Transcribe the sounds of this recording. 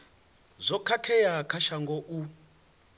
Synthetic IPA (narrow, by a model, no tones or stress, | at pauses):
zʷɔkʰakʰɛjakʰaʃaŋɡɔʔu